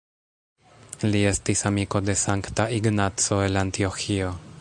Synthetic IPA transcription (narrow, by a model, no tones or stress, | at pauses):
lie̞stisamiko̞d̪e̞saŋkt̪aiɡnat͡so̞e̞lant̪ioxio